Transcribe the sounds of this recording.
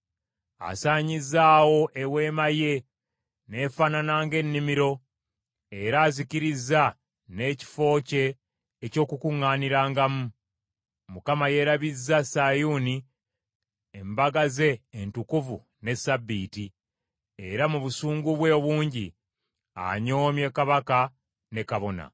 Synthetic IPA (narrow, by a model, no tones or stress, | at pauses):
a̰saːɲizːaːwo̞ʔewe̞ːmaje̞ | ne̞ːfaːnanaːŋɡe̞nːimiɾo̞ | e̞ɾaːziciɾizːa | ne̞ːci̥fo̞ːce̞ː | co̞ːkukuŋːaːniɾaːŋɡamu | mukamaje̞ɾaβizːasajuːni | embaɡaze̞ːntukuvṵ | ne̞sabːiːti | e̞ɾamuβusuːŋɡuβwe̞ːβuːɲɟi | a̰ɲo̞ːmje̞kaβaka | ne̞kaβo̞na̰